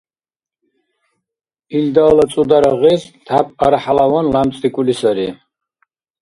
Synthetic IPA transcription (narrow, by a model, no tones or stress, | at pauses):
ild̪aːlat͡sʼud̪aɾaʁist̪ʰapʰʼaɾaħalawɔnlamt͡sʼikʼulisaɾi